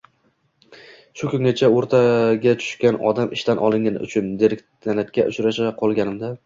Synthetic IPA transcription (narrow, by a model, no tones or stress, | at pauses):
ʃʊkʰʲɵŋnat͡ʃʰaoɾt̪ʰaɡʲat͡ʃ̪ʰʊ̥ʃkʲanɒ̰d̪amʔɪʃt̪anʔɒlˠɪŋʲanʊ̰t͡ʃʰʊnd̪eɾɪk̪̚ʲʰanat̪kʲaʔʊt͡ʃɾaʃaqʰɒlˠɡʲanɪmd̪a